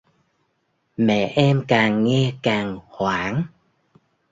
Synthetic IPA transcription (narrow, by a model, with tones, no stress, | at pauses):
mɛ̰˧˨ʔɛ˧mkaː˨˩ŋŋɛ˧kaː˨˩ŋhwaː˧˦ŋ